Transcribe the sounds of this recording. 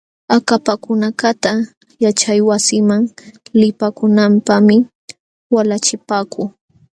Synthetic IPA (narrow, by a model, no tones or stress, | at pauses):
akapakʊnakat̪a | jat͡ʃajwasɪmaŋlɪpakʊnampamɪ | walat͡ʃɪpaːkʊː